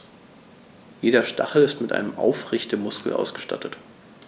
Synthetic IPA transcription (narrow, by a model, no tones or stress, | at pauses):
jeːɾɐʃta̰χl̩ɪstmɪtʔa̰ɪnəmʔa̰ʊfʁɪçtəmʊskl̩ʔa̰ʊsɡ̥əʃta̰tʰət